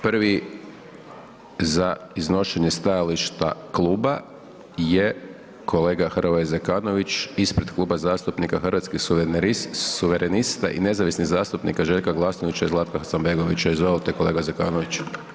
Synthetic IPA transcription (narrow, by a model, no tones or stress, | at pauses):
pr̩ʋi | zaizno̞ʃeɲest̪ajaliʃt̪a̰klˠuːba | je̞ | kʰo̞le̞ːɡaxɾʋoezekaːno̞ʋit͡ʃispɾe̞d̪klˠuːbazaːst̪upnikaxərʋat̪skixsuʋensuʋe̞ɾʔenist̪a̰ʔḭne̞zaʋisniɣzaːst̪upnikaʒeʎʲkaɡlˠasnoʋit͡ɕaizlaːt̪̚kaxasanbe̞ɡoʋit͡ʃaizʋoilt̪eko̞le̞ːɡazekaːnoʋit͡ɕ